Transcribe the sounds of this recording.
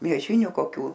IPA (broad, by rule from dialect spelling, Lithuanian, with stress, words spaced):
mʲiɛˈʒʲɪnʲʊ koːˈkʲuː